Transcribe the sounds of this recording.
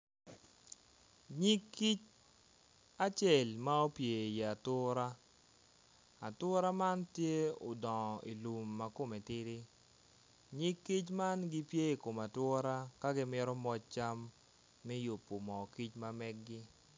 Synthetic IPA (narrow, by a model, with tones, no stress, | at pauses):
ɲi˦kːi˦t͡ʃ | a˦t͡ʃɛ˨lma˦o˦pje˨ja˨tʊ˦ɾa˦ | a˨tʊ˦ɾa˦ma˦ntje˦o̰˨dɔ˨ŋɔ˨ḭ˨lu˨mːa˨ko˦mɛ˨tɪ˦ɾɪ˦ | ɲi˦kːi˦t͡ʃma˦nɡɪ˦pje˦i˨ko˨ma˨twʊ˦ɾa˦ka˦ɡɪ˦mɪ˦ɾɔ˦mɔ˦t͡ʃ̚t͡ʃa˦mː | ɛ˦jo˨pːo˨mɔ˨ki˦t͡ʃma˦mɛ˦k̚ɡɪ˦